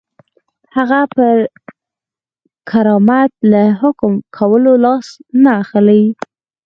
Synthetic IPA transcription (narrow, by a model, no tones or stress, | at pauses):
haɣapə | kʰaɾɑmat̪̚laɦʊkmkʰawəlolɑsnaːxəlaj